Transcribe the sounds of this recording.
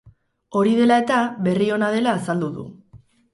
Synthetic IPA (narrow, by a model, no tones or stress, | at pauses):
o̞ɾiðe̞lae̞t̪aβe̞rio̞nað̞e̞laːsald̪uðṵ